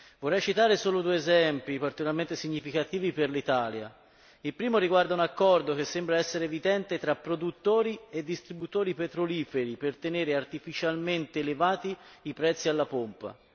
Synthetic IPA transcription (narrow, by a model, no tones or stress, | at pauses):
vorːɛjt͡ʃit̪aːɾesoːlod̪uːeezɛmpipart̪ikolaɾment̪esiɲːifikat̪iːviperlit̪aːlja̰ | ilpɾiːmoɾiɡward̪aunakːɔrd̪ok̟esːembɾaɛsːeɾeːvid̪ɛnt̪et̪ɾapːɾod̪ut̪ːoːɾied̪ːist̪ɾibut̪oːɾipet̪ɾoliːfeɾipert̪eneːɾeart̪ifit͡ʃalment̪eːlevaːt̪iːpɾɛt̪sːialːapompa̰